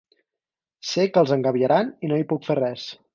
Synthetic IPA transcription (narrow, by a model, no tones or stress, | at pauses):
sekəlˠzəŋɡəβjəɾaninoipukferɛs